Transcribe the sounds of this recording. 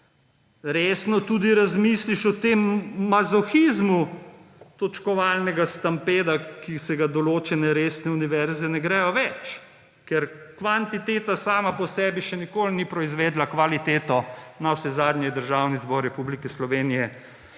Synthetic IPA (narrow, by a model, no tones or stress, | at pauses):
ɾeːsnɔt̪ud̪iɾazmiːsliʃɔt̪emːazɔxizmu | t̪ɔt͡ʃkɔʋaːlnɛɡast̪ampeːd̪akisɛɡad̪ɔloːt͡ʃɛnɛɾeːsnɛuniʋɛɾzɛnɛɡɾɛjɔʋɛt͡ʃ | kɛɾ | kʋant̪it̪eːt̪asaːmapɔsɛːbiʃɛnikoːlnipɾɔizʋeːd̪lakʋalit̪eːt̪ɔnawsɛzaːd̪nʲjɛd̪əɾʒaːwnizbɔɾːɛpublikɛslɔʋeːnijɛ